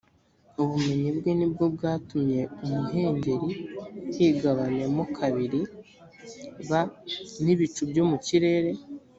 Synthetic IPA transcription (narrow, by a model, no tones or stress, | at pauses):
oβume̞ɲibɡwiːnibɡobɡaːtumɲe̞omuɦe̞ːɲɟe̞ɾihiːɡaβane̞mokʰaβiɾi | βaniβit͡ʃubjo̞muciɾe̞ːɾe̞